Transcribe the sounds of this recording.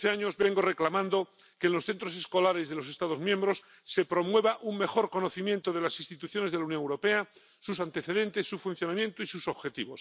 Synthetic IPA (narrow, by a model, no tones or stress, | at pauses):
θeaɲo̞zβe̞ŋɡo̞re̞klamãnd̪o̞ | ke̞ːnlo̞sθe̞nt̪ɾo̞se̞sko̞laɾe̞zðe̞lo̞se̞st̪að̞o̞zmjembɾo̞sː | e̞pɾo̞mwe̞βaʔuŋme̞xo̞ɾko̞noθimjent̪oðe̞lasinst̪it̪uθjo̞ne̞zðelaunjoŋewɾope̞a | sus̬ant̪e̞θe̞ðe̞nt̪e̞sːufunθjo̞namjẽ̞nt̪oisusoβxe̞t̪iβo̞̰s